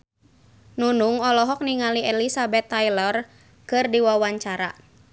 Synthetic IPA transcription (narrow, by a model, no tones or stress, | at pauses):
nunuŋɔlɔɦɔk̚niŋaliɛlisabɛt̪ːajlɔr | kɨrdiwawaɲt͡ʃaɾa̰